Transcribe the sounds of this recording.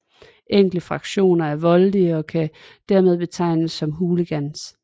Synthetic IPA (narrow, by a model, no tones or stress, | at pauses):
ʔeŋ̰ɡ̥ləfʁɑ̈ɡ̥ɕo̝̰ːnɐæɐʋɒ̽ld̥iəɒ̽kʰæ | d̥æɐ̰með̞ˠb̥e̝t͡sʰɑ̈ɪnəsːɒ̽mɦuːləɡ̥æns